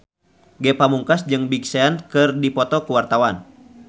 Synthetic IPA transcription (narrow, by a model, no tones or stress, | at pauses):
ɡɛpamuŋkasd͡ʒɨŋbiksɛankɨrdipɔt̪ɔkuwart̪awan